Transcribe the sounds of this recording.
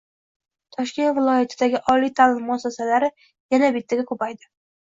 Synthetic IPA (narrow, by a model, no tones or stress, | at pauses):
t̪ʰɒʃkʲe̞nt̪vɪlˠɒjat̪ʰɪd̪aɡʲɪʔɒlijt̪ʰalɪmːʊasasalaɾɪ | janabɪt̪ʰːaɡʲakʰɵpajd̪ɪ